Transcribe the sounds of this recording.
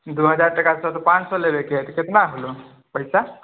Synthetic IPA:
d̪uɦəd͡zaɾʈəkat͡sɔt̪opãt͡ssɔlebekʰet̪ket̪naːɡlo | pəɦjsa

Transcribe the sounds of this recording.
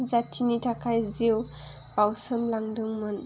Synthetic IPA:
zatʰinitʰakʰajzew | bawsɯmlaŋdɯŋmɯn

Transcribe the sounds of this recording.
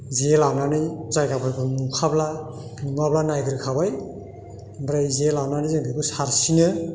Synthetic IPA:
zelawnanɯzajɡabʰajbɯmukʰablaumablanajɡɯɾɯkʰabaj | bɾajzelawnanizɯŋdɯbɯsaɾsinɯ

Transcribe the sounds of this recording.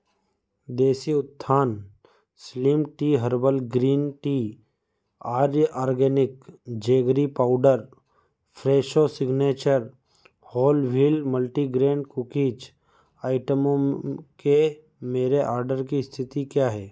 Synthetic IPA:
d̪eːsiʊt̪ʰːaːn | slimʈiːɦəɾbəlɡɾiːnʈiː | aːɾʔaːɾɡɛːnɪkd͡ʒeːɡɾipaːʊɖəɾ | pʰɾeːʃosɪɡneːt͡ʃəɾ | hɔːlʋilməlʈiɡɾẽːɳɖkʊkiːt͡ʃ | aːɪʈəmõke | meːɾeʔaːɾɖəɾkist̪ʰɪt̪ikjaːɦɛː

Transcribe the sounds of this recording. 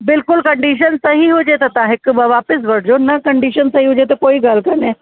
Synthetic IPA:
bɪlkʊlkɐ̃ɳɖiːʃ̬ənsɐɦiɦod͡ʒet̪ɐt̪ãɦɪkbɐʋaːpɪs̬ʋɐɾʈd͡ʒonɐkɐɳɖiːʃənsɐɦiɦod͡ʒet̪ɐkoːiɡalkɐɾnẽː

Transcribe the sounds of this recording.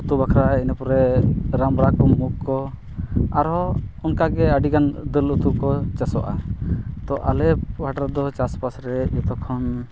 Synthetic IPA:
ut̪ubakʰɾainapɔɾɛɾamɾakɔmːukkːɔ | aɾɔɔnkaɡɛəɖikand̪əlut̪ub̚kɔt͡ʃasɔʔa̰t̪ɔʔalɛbaʈaɾd̪ɔt͡ʃaspasɾɛjɔt̪ɔkʰɔn

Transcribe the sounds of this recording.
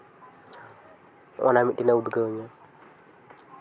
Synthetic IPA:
ʔɔ̰namiɗinaud̪ɡaɲa

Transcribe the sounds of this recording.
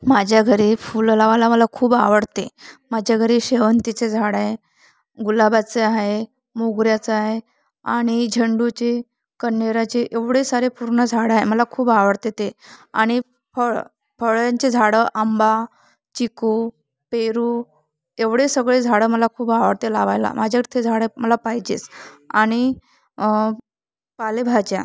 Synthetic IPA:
mad͡ʑʱjaɡʱəɾefullaʋalaməlakʰuːbaʋəɽt̪emad͡ʑʱjaɡʱəɾeɕeʋənt̪it͡sed͡zʱaɽẽ | ɡulabat͡seaɦe | moɡɾjat͡səaɦe | aɽ̃id͡ʑʱəɳɖut͡ɕe | kənːeɾat͡ɕeʔeʋɽesaɾepuɾɳəd͡zʱaɽaɦeməlakʰuːbaʋəɽt̪et̪eaɽ̃i | pəɭ | fəɭjaɲt͡sed͡zʱaɽəʔamba | t͡ɕiku | peɾu | eʋɽesəɡɭed͡zʱaɽəməlakʰuːbaʋəɾt̪elaʋajla̰mad͡ʑʱaɾit̪ʰed͡zʱaɽəməlapaɦjd͡ʑḛsa̰ɽ̃i | palebʱad͡ʑja̰

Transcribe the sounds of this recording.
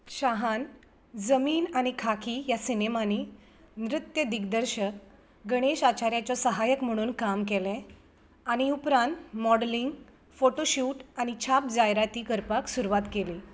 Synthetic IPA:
ɕaɦan | d͡zəmiːnaɽ̃ikʰakʰijasinemani | nɾɪt̪jəd̪iɡd̪əɾɕək | ɡəɽ̃eɕat͡ɕaɾjat͡ɕɔsəɦajəkm̤əɽ̃uːnkamkɛlɛ̃ | aɽ̃iupɾãnt̪mɔɽliŋɡ | foʈoɕuːʈaɽ̃it͡ɕʰap̚d͡zajɾat̪iːkəɾpaksuɾuʋat̪keliː

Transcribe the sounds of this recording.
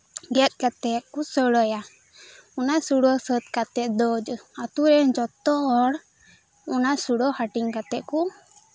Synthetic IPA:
ɡɛt̪̚ˀkat̪ɛt̪̚kusəɽəja | unasuɽɔsət̪̚kat̪ɛt̪̚d̪ɔd͡ʒat̪uɾɛnd͡ʒɔt̪ɔɔɽ | ɔnasuɽɔhaʈiŋkat̪ɛʔ̪̚ku

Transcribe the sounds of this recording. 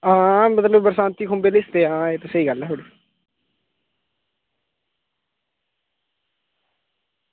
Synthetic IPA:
ãːmət̪ləbbəɾsaːnt̪iːkʰʊmbeːlɪst̪eːãːeːt̪esəiːɡəlːɛːɦoɽi

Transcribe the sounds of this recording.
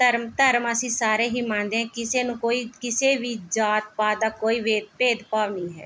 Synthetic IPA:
t̪əɾmt̪əɾməsĩːsaːɾeːɦiːmãːnd̪eːɦɛ̃ːkɪseːnũːkoːiːkɪseːʋiːd͡ʒaːt̪̚paːd̪aːkoːiːʋeːd̪peːd̪paːʋnĩːɦɛ̰ː

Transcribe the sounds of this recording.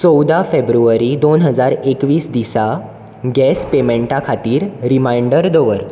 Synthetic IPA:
t͡sɔwd̪afebɾuʋəɾid̪onɦəd͡zaɾekʋiːsd̪isa | ɡɛspemeɳʈakʰat̪iːɾɾimajɳɖəɾd̪ɔʋəɾ

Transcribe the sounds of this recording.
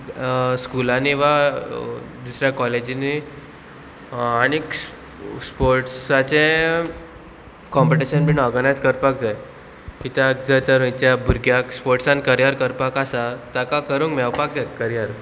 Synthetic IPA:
skulaniʋa | d̪usɾjakɔled͡ʑini | añiks | spoɾʈsat͡ɕẽ | kɔmpiʈiɕənbiɳɔɾɡənajd͡zkəɾpak̚d͡zaj | kit̪akd͡zat̪əɾĩt͡ɕjabʱuɾɡjakspoɾʈsãnkəɾjaɾkəɾpakasat̪akakəɾũːŋkmɛwpak̚d͡zajkəɾjaɾ

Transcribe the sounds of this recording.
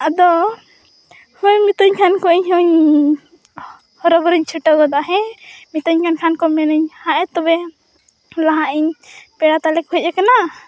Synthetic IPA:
ad̪ɔ | hũɲmit̪ɔɲkʰankɔʔiɲɦɔɲ | hɔɾɔbɔɾəɲt͡ʃʰuʈɔɡɔd̪aɦɛ̃mit̪ɔɲkʰankʰankɔmɛnəɲhãʔɛt̪ɔbɛ | laɦãʔiɲpɛɽat̪alɛkɦɔc̚ɛkana

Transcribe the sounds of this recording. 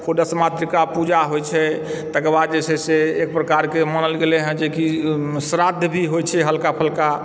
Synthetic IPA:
kʰoɖəsmat̪ɾikapud͡ʒaɦojt͡ʃʰɛ | t̪əkəbad̪̚d͡ʒesʰɛseek̚pɾəkaɾkemənəlɡelɛɦə̃d͡ʒekisɾad̪ʱjbʱiɦojt͡ʃʰɛɦəlkapʰəlka

